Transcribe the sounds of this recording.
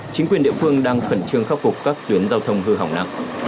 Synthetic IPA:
t͡ɕi˨˦ŋkwɗi˧˨fɨ˧əŋɗaː˧ŋfə˧˩nt͡ɕɨ˧əŋxaː˦˥p̚fʊ˨˩k͡p̚kaː˦˥k̚t̪wi˨˦ənzaː˧wt̪ʰə˧wŋ͡mhɨ˧ɦa̰˨˧˩wŋ͡mna̰˧˨ŋʔ

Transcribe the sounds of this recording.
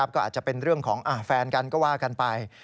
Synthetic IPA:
a˦˥p̚kɔː˥˩ʔaː˨˩t̪̚t͡ɕa˨˩pe˧nɾɯ˥˩əŋkʰɔː˩˦ŋʔa˧˩fɛː˧nka˧nkɔː˥˩waː˥˩ka˧npa˧j

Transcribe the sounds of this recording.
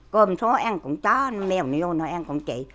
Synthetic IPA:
ko˧˩mso˨˦ʔa˧ŋkʊ̰˧˥ŋ͡mt͡ɕɔ˨˦n˨˦mɛ˧˨wni˨˧˦o˧nɔ˨˦jʔa˧nkʊ̰˧˥ŋ͡mt͡ɕḭ˧˨

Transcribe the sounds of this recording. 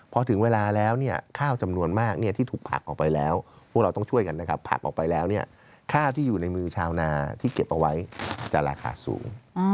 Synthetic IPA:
pʰɔ˧t̪ʰɯ˩˦ŋweː˧laː˧lɛː˦˥wni˥˩ɐəkʰaː˥˩wt͡ɕa˧mnu˧ənmaː˥˩k̚ni˥˩t̪ʰiː˥˩t̪ʰuː˨˩kpʰa̰˨˩k̚ʔɔ̰ː˨˩kpa˧jlɛː˦˥wpʰu˥˩k̚ɾa˧t̪ŋt͡ɕʰu˥˩əjka˧nːa˦˥kʰa˦˥pʰːa̰˨˩k̚ʔɔ̰ː˨˩kpa˧jlɛː˦˥wni˥˩ɐ | kʰaː˥˩wt̪ʰiː˥˩juː˨˩na˧jmɯː˧t͡ɕʰaː˧wnaː˧t̪ʰiː˥˩ke˨˩p̚ʔa˧wa˦˥jt͡ɕa̰˨˩ɾaː˧kʰa̰ː˧sṵː˩˦ŋ

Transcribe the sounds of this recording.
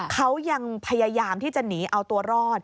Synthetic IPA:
kʰa˦˥wja˧ŋpʰa˧jaː˧jaː˧mt̪ʰiː˥˩t͡ɕa˨˩niː˩˦ʔa˧wt̪u˧ɐɾɔː˥˩t̪̚

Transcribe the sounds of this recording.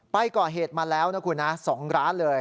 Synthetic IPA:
pa˧jkɔː˨˩ɦeː˨˩t̪̚maː˧lɛː˦˥wna˦˥kʰuː˧˩nːa˦˥sɔː˩˦ŋɾaː˦˥nlɤː˧j

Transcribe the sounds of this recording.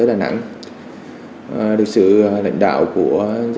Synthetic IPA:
əː˨˦ɗaː˨˩na̰˧˥˨ŋ˨˩ | lɨ˨˩k̚sɨ̰˧˨la̰˧˨jŋ̟ɗa̰ː˧˨wku˧˩əz

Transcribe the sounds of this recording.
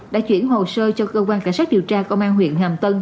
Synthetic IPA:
ɗa̰ː˧˥t͡ɕwḭ˧˩ənɦo˨˩səː˧t͡ɕɔ˧kəː˧kwaː˧nka˧˩jŋsaː˦˥ɗi˨˩əwt͡ɕaː˧kə˧wŋ͡mʔaː˧nɦwḭ˧˨ənhaː˨˩mt̪ə˧n

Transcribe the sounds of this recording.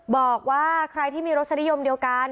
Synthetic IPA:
bɔː˨˩k̚waː˥˩kʰɾa˧jt̪ʰiː˥˩miː˧ɾo˦˥t̪̚sʰa˧ni˦˥jo˧mdi˧əwka˧n

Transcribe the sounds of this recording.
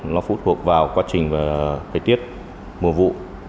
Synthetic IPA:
lɔ˨˦˥fṵ˧˥t̚t̪ʰu˨˩ək̚vaː˨˩wkwaː˨˦t͡ɕï˨˩ŋ̟vaː˨˩t̪ʰəː˨˩jt̪i˦˥ət̚ | mu˨˩əvṵ˧˨

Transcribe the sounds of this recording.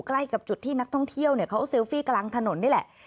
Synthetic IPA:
kla˥˩jka˨˩p̚t͡ɕu˨˩t̪ʰːiː˥˩na˦˥k̚t̪ʰɔ˥˩ŋt̪ʰi˥˩əwni˥˩ɐkʰa˦˥wse˧˥wfiː˥˩kla˧ŋt̪ʰa˧no˩˦nːi˥˩˨lɛ˨˩

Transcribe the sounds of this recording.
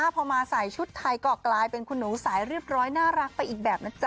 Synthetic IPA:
aː˥˩pʰɔː˧maː˧sa˨˩jt͡ɕʰu˦˥t̪ʰːa˧jkɔː˨˩klaː˧jpe˧nkʰu˧nːuː˩˦saː˩˦jɾɯ˥˩əp̚ɾɔː˦˥jnaː˥˩ɾa˦˥k̚pa˧jʔiː˨˩k̚bɛː˨˩p̚na˦˥t͡ɕa˧

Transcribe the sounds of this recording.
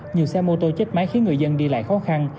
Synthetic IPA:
ɲi˨˩əwsɛ˧mo˧t̪o˧t͡ɕɨ˦˥k̚ma˨˦jxi˨˦ŋɨ˨˩əjzə˧nɗi˧la̰ː˧˨jxɔ˨˦xa˧n

